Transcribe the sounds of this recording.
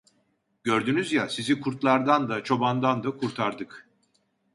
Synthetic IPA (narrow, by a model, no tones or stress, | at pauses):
ɟøɾd̪ynyzjasizikʰuɾt̪lˠaɾd̪and̪at͡ʃʰo̞band̪and̪akʰuɾt̪ʰaɾd̪ɯk